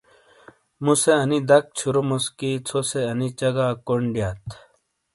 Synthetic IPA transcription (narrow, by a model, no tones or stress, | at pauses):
museɐnid̪ɐk̚t͡ɕʰuɾomoskit͡sʰoseɐnit͡ɕɐɡaːkoɳɖijaːt̪ʰ